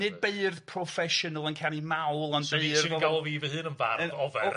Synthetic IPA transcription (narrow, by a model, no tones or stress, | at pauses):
nɨd̚beɨrð̥pʰrɔfɛʃɔnəlˠənkʰanimawlˠanbeɨrɔɡalˠɔviːvəhɨːnənva̰rənðɔvɛr